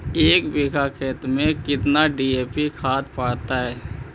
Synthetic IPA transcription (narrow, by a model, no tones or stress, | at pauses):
eːkbiːkʰakʰeːt̪ɾmẽkɪt̪naɖiːeːpikʰaːt̪paːɽt̪aɦɛː